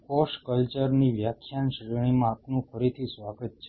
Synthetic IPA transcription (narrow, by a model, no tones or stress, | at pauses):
kɔʃkəlt͡ʃəɾniʋjakʰjanʃɾəɽ̃imãːpnũfəɾit̪ʰisʋaɡət̪̚t͡ʃʰe